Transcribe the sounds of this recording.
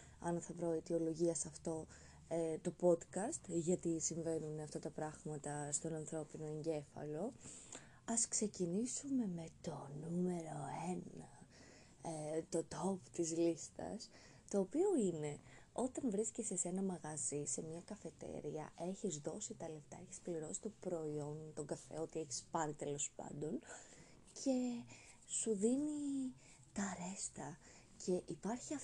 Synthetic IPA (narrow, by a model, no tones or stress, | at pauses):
ɐnθɐpɾo̞it̪io̞lo̞ʝiɐsɐft̪o̞ | t̪o̞po̞d̪kɐst̪ʝɐt̪isiɱve̞nuneɐft̪ɐt̪ɐpɾɐɣmɐt̪ɐst̪o̞nɐnθɾo̞pino̞e̞ɲɟe̞fɐ̰lo̞ | ɐskse̞cinisume̞me̞t̪o̞nume̞ɾo̞enɐ | t̪o̞t̪o̞pt̪izlist̪ɐ̰s | t̪o̞ːpio̞ine̞o̞t̪ɐnvɾiscesese̞nɐmɐɣɐzise̞mɲɐkɐfe̞t̪e̞̰ɾiɐ̰ʔe̞çizðo̞sit̪ɐle̞ft̪ɐe̞çi̥spliɾo̞si̥t̪o̞pɾo̞io̞nt̪o̞ɡɐfe̞̰o̞t̪ie̞çi̥spɐɾit̪e̞lo̞spɐ̰nd̪o̞n | cʰe̞ | suðini | t̪ɐɾe̞st̪ɐ | cʰe̞ʔipɐɾçiɐ